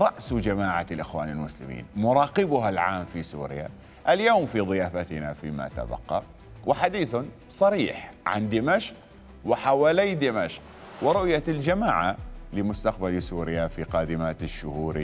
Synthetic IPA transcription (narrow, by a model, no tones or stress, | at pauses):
ɾˤɑʔsd͡ʒamaːʕalʔɪxwaːnɪlmʊslɪ̰mḭːnmʊɾˤɑːqɪbʊɦalʕaːmfisṵːɾɪja̰ | ʔaljoːmfiðˤɨjaːfat̪ɪnafiːma̰t̪a̰bɑ̰qːɑ̰ | wɪħad̪iːθʊ | sˤɑɾiːħʕa̰nd̪ɪmaʃq | wɪħawaːlijd̪ɪmaʃq | wɪɾʊʔjald͡ʒamaːʕalɪmʊst̪aq̚balisuːɾɪjafiqaːd̪ɪmaːt̪ɪʃːʊhuːɾi